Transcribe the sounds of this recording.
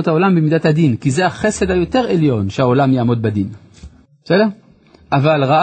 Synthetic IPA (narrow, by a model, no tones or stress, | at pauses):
ot̪hao̞lambemid̪athadinkizeaχe̞se̞d̪hajo̞te̞ʁeljo̞nʃehaolamjaːmo̞d̪̚bad̪in̥ | sedeʁ | ʔavalʁa